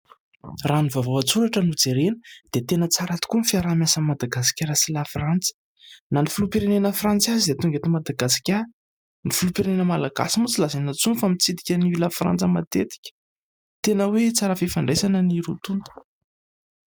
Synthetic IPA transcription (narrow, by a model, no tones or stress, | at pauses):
raːnivavoat͡suɾaʈ͡ʂənud͡zeɾenə̥d̪̥et̪enət͡saɾat̪i̥kunfiaɾamjasamad̪aɡasi̥kʲaɾasilafrant͡sə̥ | nanifulupeɾenenəfrant͡siazid̪et̪uŋɡet̪imad̪aɡasi̥kʲa | nifilupiɾenenəmalaɡa̰simut͡silazanat͡sunfamit͡sid̪ikʲəniilafra̰nt͡səma̰t̪et̪i̥kʲə̥ | t̪enəwet͡saɾəfifaɳɖ͡ʐesanəniɾut̪unt̪u̥